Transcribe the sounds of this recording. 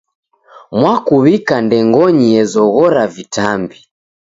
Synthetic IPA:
mwakuβikandɛŋɡɔɲiɛzɔɣɔɾavitambi

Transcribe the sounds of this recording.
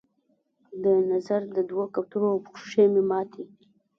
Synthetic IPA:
d̪ənazaɾd̪əd̪wokap̚t̪uɾoawpʊ̥χʃʂememɑt̪ʰe

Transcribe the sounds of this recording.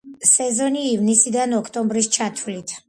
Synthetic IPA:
sɛzɔniːvnisid̪anɔkʰt̪ʼɔmbɾist͡ʃʰat̪ʰulit̪ʰ

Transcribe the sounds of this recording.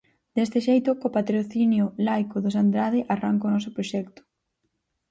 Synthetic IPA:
d̪̥est̪ɪʃejt̪ʊkopat̪ɾoθinjʊlajkoðos̬and̪ɾaðɪʔaraŋkonɔs̬ʊpɾoʃɛkt̪ʊ̥

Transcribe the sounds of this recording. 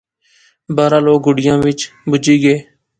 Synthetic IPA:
baːɾaːloːk̚ɡʊɽɪjãːʋɪt͡ʃbʊd͡ʒiːɡeː

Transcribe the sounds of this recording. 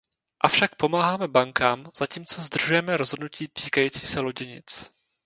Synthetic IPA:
ʔafʃak̚po̞maːɦaːmɛbaŋkaːmz̥aciːmt͡so̞zd̪r̩ʒujɛmɛɾozɦodnuciːt̪iːkajiːt͡siːsɛlo̞ɟɪɲɪ̰t͡s

